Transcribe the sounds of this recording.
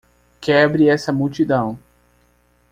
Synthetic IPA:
kɛbɾɪɛsɐmuwt͡ʃid̪ɐ̃w̃

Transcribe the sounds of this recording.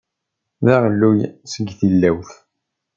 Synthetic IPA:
ðæʁlːujsəɡθilːæwθ

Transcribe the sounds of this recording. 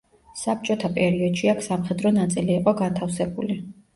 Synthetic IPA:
sap̚t͡ʃʼɔt̪ʰapʼɛɾiɔd̪̥ʃiakʰsamχɛd̪ɾɔnat̪sʼiliːqʼɔɡant̪ʰafsɛbuli

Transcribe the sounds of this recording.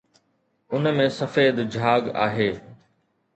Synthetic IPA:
ʊnmẽsɐfeːd̪d͡ʑʱaːɡa̰ːɦeː

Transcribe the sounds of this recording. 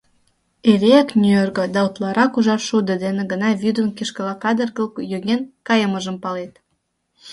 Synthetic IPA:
eleæknʲyerɡŏd̪ɑot̪lˠɑɾɑkuʒɑrʃud̪əd̪enĕɡənɑvyd̪ənkiʃkəlɑkɑd̪ə̆rkəlkjøɣenkɑjəməʒəmpɑlet̪̚

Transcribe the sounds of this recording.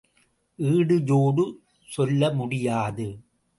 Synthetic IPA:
ʔiːɽɯd͡ʒoːɽɯ | sɔlːɐmʊɽɪjaːðɯ

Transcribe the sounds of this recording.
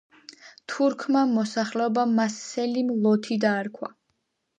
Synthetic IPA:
t̪ʰuɾkʰmamɔsaχlɛɔbamasɛlimlˠɔt̪ʰid̪aːɾkʰwa̰

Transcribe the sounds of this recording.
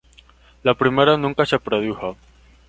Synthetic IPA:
lapɾimeɾanũŋkasepɾoðuxa

